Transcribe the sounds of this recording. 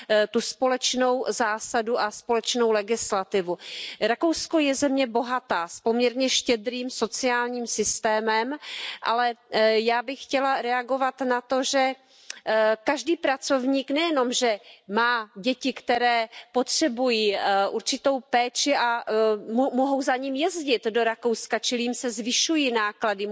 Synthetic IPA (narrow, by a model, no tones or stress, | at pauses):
t̪uspo̞lɛt͡ʃno̞wzaːsaduʔaspo̞lɛt͡ʃno̞wlɛɡɪslat̪ɪvuɾako̞wsko̞jɛzɛmɲɛbo̞ɦat̪aːspo̞mɲɛɾɲɛʃcɛd̪ɾiːmso̞t͡sɪaːlɲiːmsɪst̪ɛːmɛmʔa̰lɛjaːbɪxːcɛlaɾɛaɡo̞vat̪nat̪o̞ʒɛ | kaʒdiːpɾat͡so̞vɲiːknɛjɛno̞mʒɛmaːɟɛcɪkt̪ɛɾɛːpo̞t̪r̝̥ɛbujiːʔuɾt͡ʃɪt̪o̞wpɛːt͡ʃɪʔammoɦo̞wzaɲiːmjɛzɟɪt̪do̞ɾako̞wskat͡ʃɪlɪjimsɛzvɪʃujinaːkladɪ